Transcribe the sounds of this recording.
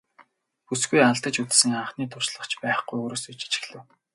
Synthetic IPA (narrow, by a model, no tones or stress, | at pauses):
pusɡujaɮt̪ə̆t͡ɕut̪sɘ̆ŋaɴχniːt̪ʰʊrʃɮə̆χt͡ɕpæːχɡujoːɾoːsut͡ɕi̥t͡ɕɪ̥̆xɮɘ̆w